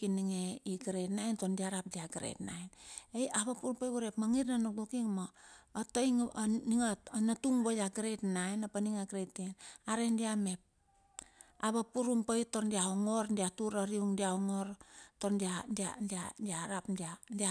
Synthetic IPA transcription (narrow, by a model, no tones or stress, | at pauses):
kiniŋeiɡɾetnajntondiaɾap̚diaɡɾḛtna̰jnejaβapuɾumpajβuɾepmaŋitnanoɡukiŋmaːtojŋniŋanatuŋβojaɡɾetnajnapaniŋaɡɾetenaɾendiamep̚ | aβapuɾumpojtondiaoŋoɾdiatuɾaɾiuŋdiaoŋoɾtondiadia̰dadiaɾapdiadia